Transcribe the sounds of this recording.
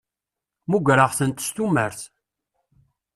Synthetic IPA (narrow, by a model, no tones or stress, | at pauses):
muɡʷɾəʁθənt̪ːə̥st̪umːəɾθ